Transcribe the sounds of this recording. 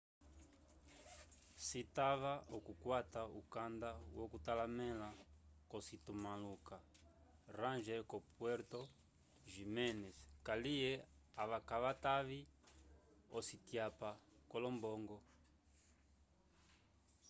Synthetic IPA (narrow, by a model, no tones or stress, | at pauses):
sitaβaɔkukwataukandawɔkutalamɛlakɔsitumaluka | ɾanʒɛkɔpwɛɾtɔ | ʒimɛnɛskaliɛaβakaβataβi | ɔsitjapakɔlɔmbɔŋɡɔ